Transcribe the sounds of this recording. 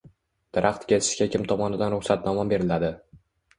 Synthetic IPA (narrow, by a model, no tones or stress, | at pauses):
d̪̥ɪɾʔaχt̪kʲet̪ʰɪ̥ʃkʲakʲʰɪmt̪ʰɒmɒnɪd̪anɾʊχsat̪nɒmabe̞ɾɪlad̪ɪ